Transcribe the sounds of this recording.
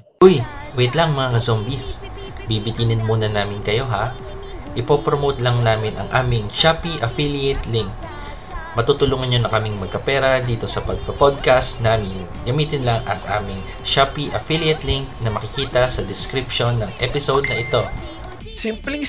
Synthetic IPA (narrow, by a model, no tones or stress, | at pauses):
ʔʊj | wɪt̪lɐŋmɐŋakɐzombis | bibɪt̪iːnɪnmuːnɐnaːmɪnkɐjo̞ɦa | ʔɪpopɾomowt̪lɐŋnaːmɪnʔɐ̰ŋʔaːmɪŋʃapiʔɐfilɪɛt̪lɪŋk | mɐt̪ut̪ʊluːŋɐnɲonɐkɐmɪŋmɐɡ̚kɐpɛːɾɐd̪iːt̪o̞sɐpɐɡ̚pɐpod̪̚kast̪naːmɪn | ɡɐmiːt̪ɪnlɐŋɐ̰ŋʔa̰ːmɪŋ | ʃapiʔɐfilɪɛt̪liŋk̚nɐmɐkɪkiːt̪ɐsɐd̪ɪskɾɪpʃo̞nːɐŋʔɛpɪsowd̪̚nɐʔɪt̪o̞ | simpli